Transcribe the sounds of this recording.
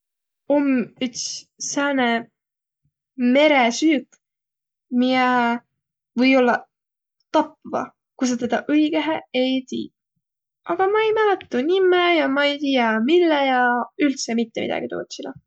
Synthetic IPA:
omyt̪ssæːne | me̞ɾesyːk | miɛ | vɤjo̞lːɑ | t̪ɑp̚vɑ̰ | kus̬ɑt̪ed̪̥ɑʔɤiɡ̥eɦeejt̪ḭː | ɑɡ̥ɑmɑejmælɛt̪ːˑunimːejɑmɑejt̪ijɑmilːejɑylt̪semit̪ːemḭd̪ɑ̰ɡ̥it̪o̰ːt̪silɑ

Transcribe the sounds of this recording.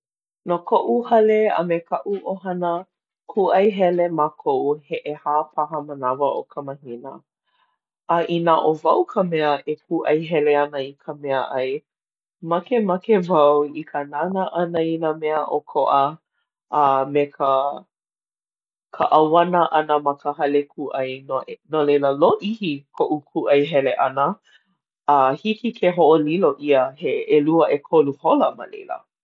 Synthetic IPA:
nokʰoʔuhɐleɐ̰mekʰɐʔuʔoɦɐnə | kʰuʔɐjɦɛlemakʰoʔuheʔehaːpʰaɦəmənavəʔokʰəməhinə̰ | ʔɐʔinaʔovɐwkʰəmɛəʔekʰuʔɐjɦɛleɐnəikʰəmɛəʔɐj | mɐkemɐkevɐwikʰənanəʔɐnəinəmɛəʔokʰoʔə | ʔamekʰə | kʰə̰ʔawanəʔɐnəmɐkəɦɐlekʰuʔɐjnonolejləloʔihikʰoʔukʰuʔɐjɦɛleʔɐnə | ʔahikikʰeɦoʔoliloʔiəheeluəʔekʰoluholəmə̰lḛjlə̰

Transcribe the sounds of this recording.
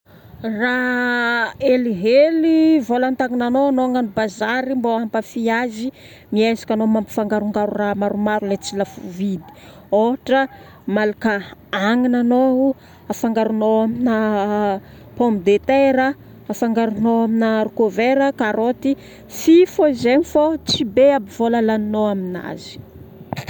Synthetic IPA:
ra | eliɦelivolant̪aŋinanoanoaŋanibazaɾimboampəfiazi | miazḁkʲanomampi̥faŋɡaɾuŋɡaɾuramaɾumaɾulet͡silafuvid̪i̥ | oaʈ͡ʂə | malakəaŋinanou | afaŋɡaɾunoaminə | pomid̪et̪eɾəː | faŋɡaɾunoaminaɾukoveɾəkaɾot̪i | fifozemifot͡sibeabiv̥olalaninoamina̰zi̥

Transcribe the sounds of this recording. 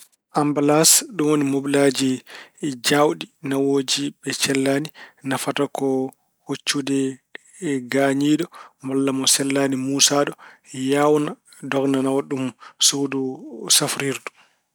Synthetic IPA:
ʔambalasɗumwonimobilad͡ʒi | d͡ʒawɗinawoːd͡ʒibɛt͡ʃɛlːaːninafatakɔ | hot͡ʃːudɛ | ɡaɲiːɗɔmalːamɔsɛlːanimuːsaɗɔjawna | dɔɡnanawaɗumsodusafɾiɾdu

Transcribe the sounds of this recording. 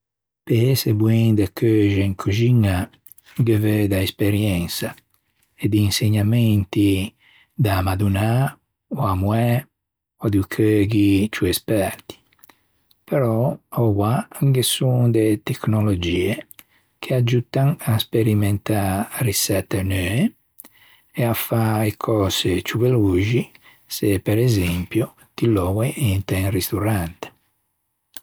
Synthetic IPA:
peesebweŋd̪akʰøʒeŋkʰuʒiŋa | ɡeved̪aespeɾjɛnsa | ed̪iːnseɲament̪i | d̪amad̪una | oamwɛ | od̪ukʰøɡit͡ʃuɛspɛɾt̪i̥ | peɾɔɔwwaŋkesuŋd̪et̪eknolod͡ʒiːe | kʰead͡ʒut̪aŋaspeɾiment̪arisɛt̪ːenøːe | eafaekʰɔːzet͡ʃuveluːʒi | sepeɾezɛmpjo | t̪ilɔweʔint̪ɛŋrist̪uɾant̪e̥

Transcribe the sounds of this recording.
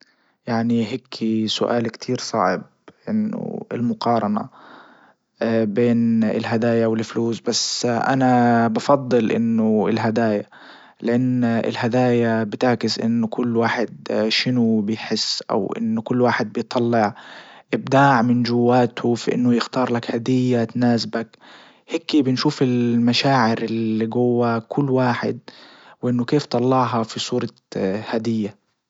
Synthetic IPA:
jaʕniɦeːkʰːisʊʔa̰ːlkt̪ʰiːɾsˤɑ̰ʕɪb̚ | ʔɪnːʊ̰ɪ̰lmʊqɑːɾˤɑna̰ | beːnɪ̰lɦad̪aːjawɪlfluːsbasʔanabɑfɑd̪ˤːɨlʔɪ̰nːʊɪlɦad̪aːja | lɪʔanːɪ̰lhad̪aːjabɪt̪aʕkɪsʔɪ̰nːʊkʰʊlːwaːħɪd̪ʃɪnʊbɪjħɪsːʔa̰wʔɪ̰nːʊkʊlːwaːħɪd̪̚bɪjt̪ˤʰɑlːɪʕʔɪb̚d̪aːʕmɪnd͡ʒʊwːaːt̪ʰʊfiʔɪ̰nːʊjɪxt̪ɑːɾˤlakhad̪ɪjːat̪naːsbak | heːkibɪnʃuːfɪlmaʃaːʕɪɾɪlːiɡʊwːakʰʊlːwaːħɪ̰d̪̚ | wʔɪnːʊkeːft̪ˤɑlːɑʕɦɑfisˤuːɾˤɑ | had̪ɪjːa

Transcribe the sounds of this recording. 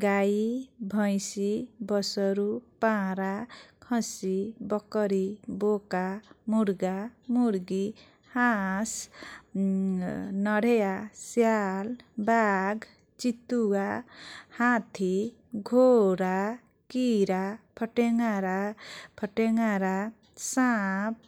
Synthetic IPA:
ɡajibʱʌjsibʌsʌɾupãɾakʰʌ̃sibʌkʌɾibokamuɾɡamuɾɡi | hãs | nʌɽʱejasjalbaɡ | t͡ʃit̪uɡahãt̪ʰi | ɡʱoɾa | kiɾapʰʌʈeŋaɾapʰʌʈeŋaɾa | sap̚

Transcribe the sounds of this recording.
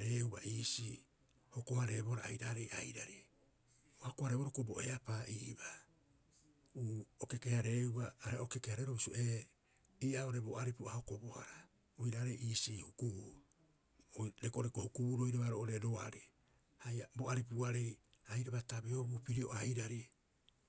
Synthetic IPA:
ɾeubaʔiːsi | hokohaɾe̞boɾaajɾaɾe̞jʔa̰jɾaɾe | ohakohaɾeboɾokubo̞e̞apaʔiːba | uːoke̞kehaɾeubaːɾeokekehaɾeɾoβisuʔe | iːao̞ɾeboaɾipuahokobohaɾa | ojɾaɾejʔiːsihukuu | oɾekoɾekohukubuɾojɾaβaɾoʔoɾeɾoa̰ɾi | hajabo̞aɾipuaɾe̞jajɾaβatabiobupiɾioajɾaɾi

